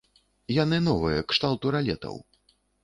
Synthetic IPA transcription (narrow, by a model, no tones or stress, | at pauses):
janɨnɔvɨjɛkʂt̪alˠt̪uɾalʲɛ̰t̪ɐ̰w